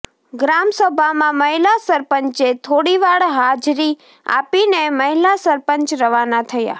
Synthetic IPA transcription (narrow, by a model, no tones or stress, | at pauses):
ɡɾamsəbʱamãməɦilasəɾpəɲt͡ʃet̪ʰoɽiʋaɽɦad͡ʒɾi | a̰pineməɦilasəɾpəɲt͡ʃɾəʋanat̪ʰəja̰